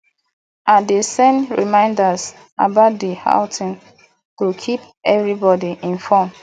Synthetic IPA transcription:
adesɛ̃nɹimãɪ̃ndas | a̰bat̚diha̰ʊtʰɪ̃n | tukʰip | ɛvɹibɔdiʔĩnfɔ̃m

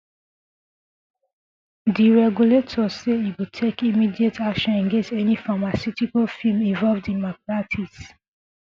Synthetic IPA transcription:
diɹɛɡuletʰɔseiwitʰekimidietakʃɔ̃nɛ̃nɡẽnstɛnifamasitikalfĩlmĩnvɔlvdĩnmaplatʰis

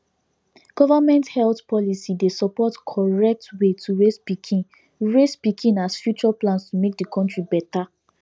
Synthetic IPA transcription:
ɡ̥ɔvamɛ̃nthɛltpʰɔlisidesɔpɔtkʰɔɹɛk̚twetʰuɹespikʰĩn | ɹespikʰĩnasfjut͡ʃuaplãnstumek̚dikʰɔ̃ntɹibɛta

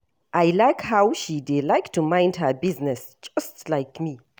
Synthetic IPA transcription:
ʔajlaɪkhawʃidelajktʰumãɪ̃ndɦəbiznɛs | d͡ʒastlaɪkmi

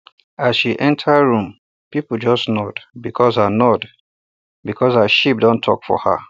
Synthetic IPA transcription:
asʃiʔɛ̃ntʰaɹũm | pipl̩d͡ʒɔsnɔdbikʰɔszanɔd | bikʰɔsaʃip̚dõntʰɔ̰kfɔ̰ha̰

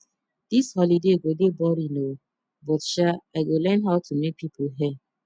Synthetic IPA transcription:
d̥ishɔlideɡʷodebɔɾino | bɔtʃaaɡolɛnɦaʊtʰumek̚pipʰoɦɛ

